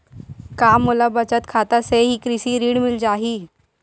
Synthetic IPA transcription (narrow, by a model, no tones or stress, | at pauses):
kaːmːolabət͡ʃət̪kʰaːt̪aseɦikɾɪsiɾiːɽmɪld͡ʒaːɦiː